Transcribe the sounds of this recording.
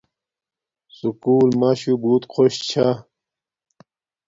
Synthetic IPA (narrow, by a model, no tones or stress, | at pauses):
sukuːlmaɕubuːt̪qʰoɕt͡ɕʰa